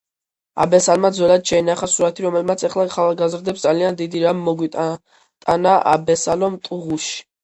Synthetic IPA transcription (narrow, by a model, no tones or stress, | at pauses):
a̰bɛsalmad̪zɔlad̪ʃɛinaχasuɾat̪ʰiɾɔmɛlmat̪sʰɛχlˠaχʰalaɡazɾd̪ɛpsd̪zaliand̪id̪iɾamːɔɡwit̪ʼ | t̪ʼanaʔa̰bɛsalɔmt̪ʼuʁuʃi̥